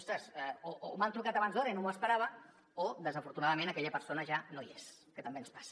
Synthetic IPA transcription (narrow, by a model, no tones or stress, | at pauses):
ɔst̪ɾəzoomant̪ɾukat̪aβanzðɔɾəinoməspəɾaβ̞ə | od̪əzəfuɾt̪unaðəmenakɛʎəpəɾsonəʒanoiḛskət̪əmbenspḁs